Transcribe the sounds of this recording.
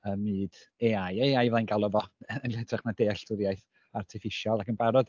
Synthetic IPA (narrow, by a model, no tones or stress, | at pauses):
əmɨːd̥ | eajeːajvlˠajnɡalˠɔvɔənɬɛtʰrɛχmadeːɬtʰʊɾjajθ | artʰɪfɪʃjɔlˠakənbaɾɔd̥